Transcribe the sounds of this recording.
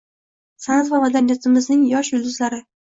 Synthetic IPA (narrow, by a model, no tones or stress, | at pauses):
sanat̪vavad̪anjat̪ʰɪmɪznɪŋjɒʃjʊlˠd̪ɪzlaɾɪ